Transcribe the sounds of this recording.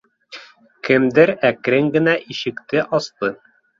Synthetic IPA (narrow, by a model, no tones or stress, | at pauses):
kɘ̆md̪ɘɾækɾɘŋɡɘ̆næʔiɕɘ̆kt̪ɘʔɒsp̪ɤ